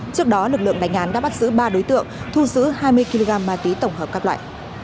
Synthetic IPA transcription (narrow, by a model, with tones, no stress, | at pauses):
t͡ɕɨ˦˥ək̚ɗɔ˨˦lɨ˨˩k̚lɨ̰˧˨əŋɗa˨˦jŋ̟ʔaː˨˦nɗa̰ː˧˥ɓa˦˥t̚zɨ̰˧˥ɓaː˧ɗo˨˦jt̪ɨ̰˧˨əŋt̪ʰu˧zɨ̰˧˥haː˧jmɨ˧əjki˧lo˧ɣaː˧mːaː˨˩t̪wi˨˦t̪ə˧˩wŋ͡mhəː˨˩p̚kaː˦˥k̚lwa̰ː˧˨j